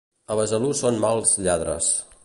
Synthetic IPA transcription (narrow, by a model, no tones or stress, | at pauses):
əβəzəlusonmalˠzʎaðɾə̰s